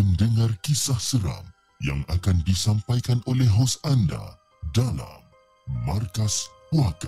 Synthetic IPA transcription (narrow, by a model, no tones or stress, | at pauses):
məndəŋarkisahsəɾa̰m | ja̰ŋakandisampajkanʔolɛɦosanda̰ | dala̰mː | arkas | pwaka